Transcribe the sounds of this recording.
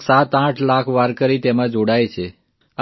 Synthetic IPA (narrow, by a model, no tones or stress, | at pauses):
sat̪ãʈʰlakʰʋaɾkəɾit̪emãd͡ʒoɽajt͡ʃʰe | a